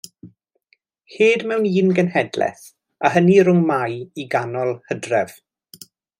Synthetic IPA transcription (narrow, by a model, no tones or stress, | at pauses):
heːdmɛwniːnɡənhɛdlɛ̰θ | aɦəniɾʊŋmajiɡanɔlˠhədrɛv̥